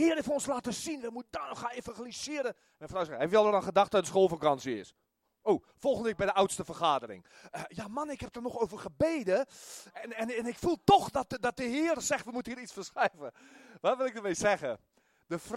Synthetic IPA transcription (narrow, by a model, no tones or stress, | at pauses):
hiərɪfəonslaːtəsinʋɛmutdanɔxaefãxalisɪəɾə | mɛjfrawsɛfɛlˠərənxədaxtəɔtdəsxoːlˠfəkɑnsəɪ̰s | oː | folˠxəndəʋɪk̚bɛjdəʔawtstəfərxaːdərɪ̰ŋ | əjamanɪkhɛp̚dərnɔxoːvərxəbeːdəɛnɛnɛnɪkfulˠtoxdɔtdɔt̚əɦiːərəsɛxtʋəmutən̩iːəɾitt͡ssfərsxrɛjvəʋɔtʋɪlˠɪk̚dərmejsɛɣə | d̥əfr